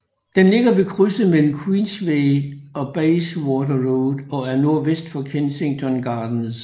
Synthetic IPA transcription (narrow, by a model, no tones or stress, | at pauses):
d̥enle̝ɡ̥ɐʋe̝kʰʁysəmel̰m̩kʰwiːnsʋeɪɒ̽b̥ɛɪswɔːdɐʁoʊðˠɒ̽æɐno̝ɐʋesd̥fɒ̽kʰense̝ŋt͡sʰɒ̽nɡ̥ɑ̈ːd̥n̩s